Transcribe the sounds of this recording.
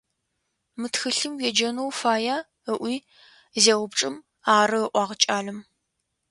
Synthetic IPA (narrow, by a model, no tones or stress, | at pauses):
mɨtxɨɬɨmwɛd͡ʒɐnowfaːjaː | əʔʷiː | zeːwʊpʈ͡ʂʼɨm | aːɾɨəʔʷɑːʁət͡ʃʼaːɮɨm